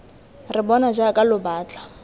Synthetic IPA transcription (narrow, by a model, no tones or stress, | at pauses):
ribɔnad͡ʒakʼalʊbaːt͡ɬʼḁ